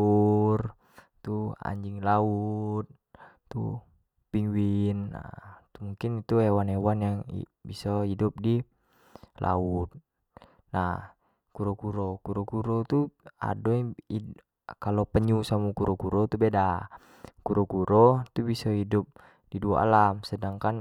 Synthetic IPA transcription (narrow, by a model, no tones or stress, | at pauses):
ur | t̪ua̰ɲd͡ʒiŋlaut̪̚ | t̪ṵ | piŋwinːa̰t̪umuŋkinit̪uɛwanɛwanjaŋḭ | bisɔidup̚di | lʔa̰ut̪̚ | na | kuɾɔkuɾɔkuɾɔkuɾɔt̪ua̰dɔi | kalopəɲusamukuɾɔkuɾɔt̪ubeda | kuɾɔkuɾʔɔt̪ubisɔidup̚ | diduaa̰lamsədaŋkan